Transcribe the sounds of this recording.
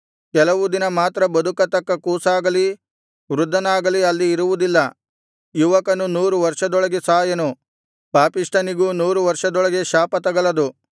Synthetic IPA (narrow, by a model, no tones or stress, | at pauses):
kɛlɐʋud̪inɐmaːt̪ɾɐbɐd̪ukɐt̪ɐkːɐkuːsaːɡɐli | ʋɾud̪ʱːɐnaːɡɐliɐlːiːɾuʋud̪ilːɐ | juʋɐkɐnunuːɾuʋɐɾʂɐd̪ɔɭɐɡesaːjɐnu | paːpiʂʈʰɐniɡunuːɾuʋɐɾʂɐd̪ɔɭɐɡe̞ʃaːpɐt̪ɐɡɐɭɐd̪u